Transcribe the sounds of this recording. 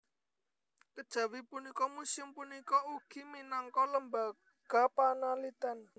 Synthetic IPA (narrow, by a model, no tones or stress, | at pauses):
kəd̥ʒ̥ä̤wipunikɔmusɪmpunikɔuɡ̥i̤minaŋkɔləmba | ɡ̥a̤panalit̪ɛn